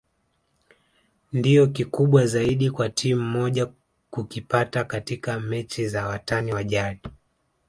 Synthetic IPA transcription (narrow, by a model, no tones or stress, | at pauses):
ndijɔkikuɓwazaiɗikwatʰim̩mɔʄa | kukipatakatikamɛt͡ʃizawataniwaʄaɗi